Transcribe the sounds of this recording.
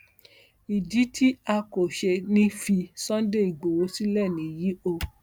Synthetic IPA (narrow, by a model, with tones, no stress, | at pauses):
i˨di˨˦tʰi˦a˧ko˨ʃe˧nĩ˦fi˧sɔ̃˦de˦˨i˨ɡ͡bo˨wo˨˦si˦lɛ˦˨nĩ˨˦ji˨˦o˧